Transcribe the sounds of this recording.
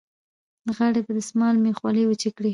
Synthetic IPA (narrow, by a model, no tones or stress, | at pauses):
ɣaɽebad̪əsmɑlmexwɑliwət͡ʃekɽi